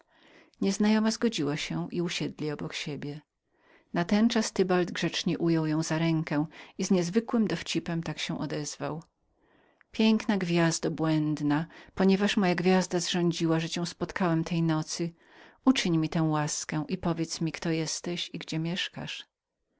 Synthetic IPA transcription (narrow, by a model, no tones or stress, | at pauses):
ɲɛznajɔmazɡɔd͡ʑiwaɕɛʔiuɕɛd̪lʲiɔbɔkɕebʲjɛ | nat̪ɛnt͡ʂast̪ɘbald̪ɡʐɛt͡ʂɲɛʔujɔwjɔ̃w̃zaɾɛŋkɛ̃izɲɛzvɘkwɘmd̪ɔft͡ɕipɛmt̪akɕɛ̃ʔɔd̪ɛzva̰w | pʲjɛŋknaɡvʲjazd̪abwɛnd̪napɔɲɛvaʂmɔjaɡvʲjazd̪azʐɔ̃ɲd͡ʑiwaʐɛt͡ɕɛ̃w̃spɔt̪kawɛmt̪ʰɛjnɔt̪sɘ | ut͡ʂɘɲmʲit̪ɛ̃w̃waskɛ̃ʔipɔvʲjɛt̪smʲikt̪ɔjɛst̪ɛɕiɡd͡ʑɛmʲjɛʂka̰ʂ